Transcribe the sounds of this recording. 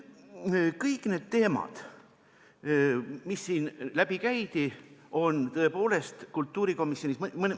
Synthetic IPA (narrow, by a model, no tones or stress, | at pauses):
kɤjkˑne̞ːd̪̚t̪e̞ːmɑ̰d̪̥ | misːiːnlæb̥ikæjt̪iʔo̞nt̪ɤ̞e̞po̞ːle̞st̪kult̪ːuːɾiko̞misjo̞nʲismmən